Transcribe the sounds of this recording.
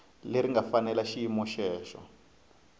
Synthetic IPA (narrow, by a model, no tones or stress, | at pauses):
leɾiŋɡafanɛlaʃiimɔʃɛːʃɔ̰